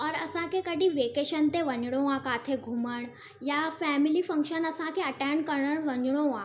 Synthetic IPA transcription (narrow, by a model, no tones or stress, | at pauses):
ɔːɾɐsãkekɐɖʱĩʋeːkeːʃənt̪eʋɐɲɽ̃õãkaːt̪ʰeɡʱuməɽ̃ | jafɛːmɪlifɐ̃ŋkʃənɐsãkeɐʈɛːɳɖkɐɾɽəɽ̃ʋɐɲɽ̃õã